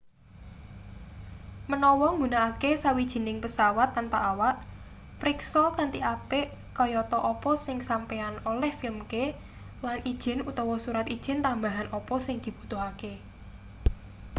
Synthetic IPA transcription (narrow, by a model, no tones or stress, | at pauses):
mənɔwɔŋɡunaʔakesawid̥ʒ̥i̤nɪŋpəsawat̪ːanpaʔawaʔ | pɾɪksɔlt̪ant̪iʔapeʔ | kɔjɔt̪ɔʔɔpɔsɪŋsampeanolɛhfɪlmke | lanid̥ʒ̥ɪ̤nut̪ɔwɔsuɾat̪id̥ʒ̥ɪ̤nt̪ambaɦanɔpɔsɪŋd̪̥i̤b̥ṳ̥t̪oɦake